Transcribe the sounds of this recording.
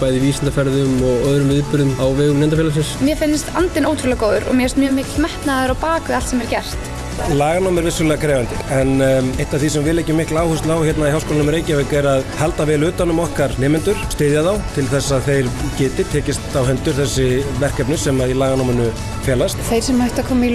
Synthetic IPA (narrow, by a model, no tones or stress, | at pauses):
paːjðɪviːsɪnt̪afɛɾðʏmɔɣœðɾʏmvɪðpʏɾðʏmawvɛːɣʏmnɛnt̪afjɛlasɪnsmjɛfɪnːɪst̪ant̪ɪnoːwt̪ʰɾulakoːwðʏɾɔ̰ɣmjɛɛst̪mjœːɣmɪklmɛht̪naðʏɾawpaːkʏalt̪sɛmɛɾcɛr̥t̪ | laːɣanowmɛɾvɪsːʏlɛɣakʰɾɛːvant̪ɪɛnejht̪aθisɛmvɪːlɛhcɪmɪhklaːwhʏst̪lawçjɛt̪naiɦawskoːlanʏmɾeːjcavɛkɛɾaðhalt̪avɛːlʏːt̪ːanʏmɔhkaɾnɛːmɪnt̪ʏɾ̥st̪ɪːðjaðawt̪ʰɪlθɛsːaðθejɾcɪːt̪ɪt̪ʰɛːcɪst̪awɦɛnt̪ʏɾ̥θɛsːɪvɛr̥kɛpnʏsɛmailaːɣanowmʏnʏ | fjɛːlast̪θejɾ̥sɛmhajht̪akʰɔːmi